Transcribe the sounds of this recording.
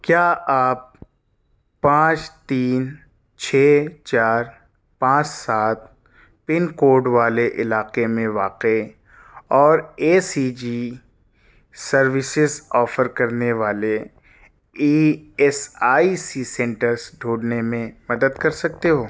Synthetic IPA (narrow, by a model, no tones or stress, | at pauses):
kjaːaːp̚ː | ãːt͡ʃt̪iːn | t͡ʃʰɛːt͡ʃaːɾ | pãːt͡ʃsaːt̪̚ | pɪnkoːɾɖʋaːleʔɪlaːqemẽʋaːqe | ɔːɾeːsid͡ʒi | sɐɾʋɪsɪzɔːfəɾkɐɾneʋaːle | iːɛsaːisisɛ̃ːɳʈəɾzɖʱuːɽnemẽmɐd̪əd̪kɐɾsɐk̚t̪eɦoː